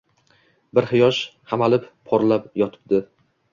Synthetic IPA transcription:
bɪɾhɪjɒʃhamalɪpːʰɒɾlapjɒt̪ʰɪ̥p̚d̪ɪ

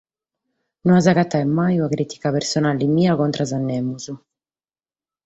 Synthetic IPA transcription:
nunazakat̪ːaɛmːajuakɾit̪i̥kapeɾsɔnaːlimiːakɔnt̪ɾʔazanːɛːmuzu

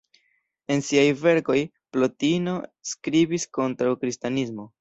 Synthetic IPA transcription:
e̞nsiajve̞ɾko̞j | plo̞tinoskɾibisko̞ntɾawkɾistanismo̞

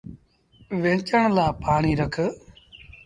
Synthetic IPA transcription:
ʋẽːt͡ʃəɳlaːpaːɳiːɾəkʰ

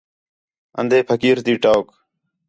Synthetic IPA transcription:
ə̰nd̪ʱeːpʰəkiːɾt̪iːʈoːk

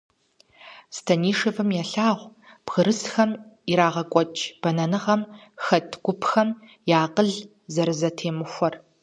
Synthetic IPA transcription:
stʰɐniːʂɨvɨmjɛɬaːʁʷ | b̥ɣɨɾɨsxɐmiɾaːʁɐkʷʼɔt͡ʃʼb̥ɐnɐnɨʁɐm | xɐtʰɡʷʊpʰxɐm | jaːqʼəɮ | zɐɾɨzɐtʰeːmɨxʷɔr

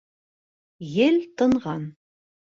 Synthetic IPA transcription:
jɘlt̪ɤ̆ɴʁɑn

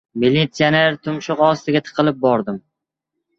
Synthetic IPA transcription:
milit̪sijaneɾt̪ʰʊmʃʊqɒst̪ɪɡʲat̪ʰɨ̥qʰɨlˠɪp̚bɒɾd̪ɪm

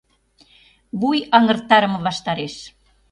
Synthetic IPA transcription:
βujɑŋə̆rt̪ːɑɾə̆mɤ̆βɑʃt̪ɑɾeʃ

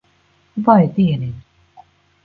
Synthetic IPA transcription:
vajt̪iɛni

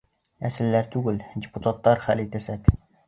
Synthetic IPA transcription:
æsɪlːæɾt̪ʰuɡɘld̪ʲeput̪ʰɑt̪ːɑɾχælet̪æsæk

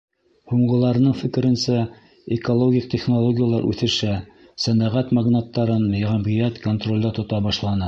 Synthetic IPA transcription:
huɴɢɤ̆lˠɑɾɤ̆nɤɴfɘ̆kɘ̆ɾɘ̆nsæ | ekolˠoɡʲik̚t̪ʲeχnolˠoɡʲɪjalˠɑɾʔʉ̰θɘ̆ʃæ | sænæʁæt̪maɡnat̪ːɑɾɤnjɑʁæmʁijæt̪ko̞nt̪ro̞lʲd̪ɑt̪ŏt̪ɑbɑʃlˠɑnɤ

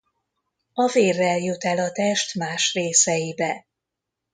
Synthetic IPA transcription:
ɒveːrːɛljøt̪ɛlɒt̪ɛʃt̪maːʃreːsɛjibɛ

